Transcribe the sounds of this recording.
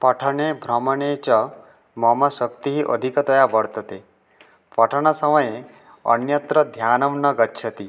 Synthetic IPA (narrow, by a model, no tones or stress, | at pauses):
pɔʈʰɔɳebʱɾɔmɔnet͡ʃɔ | mɔmɔsɔkt̪iɦiʔəd̪ʱikɔt̪ɔjabɔɽt̪ɔt̪e | pɔʈʰɔɽ̃ɔsɔmɔje | ɔ̰njʌt̪ɾɔd̪ʱjanɔmnɔɡɔtːʃʰʌt̪i